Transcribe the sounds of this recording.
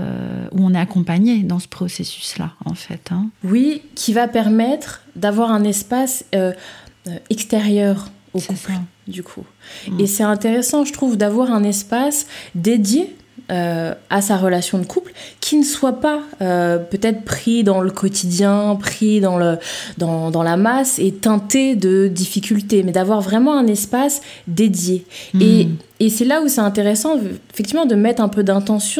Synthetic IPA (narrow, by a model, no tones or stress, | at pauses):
ø̰uɔ̃nɛakɔ̃paɲed̪ɑ̃sə̥pχɔsesy̥sla̰ɑ̰̃fɛ̰t̪ɛ̃wikʲʰivapɛʁmɛt̪χd̪avwaʁɛ̃nɛspasøøɛkst̪eʁjœːʁ | okupld̪ykʰṵ | esɛt̪ɛ̃t̪eʁesɑ̃ʒət̪χuvd̪avwaʁɛ̃nɛspasd̪ed̪je | øasaʁəlasjɔ̃d̪əkʰuplkʲʰinəswapaøpøt̪ɛt̪χpχid̪ɑ̃ləkʰɔt̪ʰid̪jɛ̃pχid̪ɑ̃ləd̪ɑ̃d̪ɑ̃lamaset̪ɑ̃t̪ed̪əd̪ifikʲylt̪emɛd̪avwaʁvʁɛmɑ̃ɛ̃nɛspasd̪ed̪jeː | sɛlausɛt̪ɛ̃t̪̬eʁesɑ̃efɛk̚t̪ivmɑ̃d̪əmɛt̪χɛ̃pød̪ɛ̃t̪ɑ̃sjɔ̃